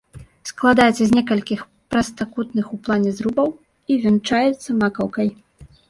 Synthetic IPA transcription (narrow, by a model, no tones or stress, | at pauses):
sklˠad̪ajɛt̪sːɐzʲnʲɛkɐlʲkʲix | pɾɐst̪akut̪nɨxuplˠanʲɛzɾubɐw | ivʲɛnt͡ʂajɛt̪sːɐmakɐwkɐj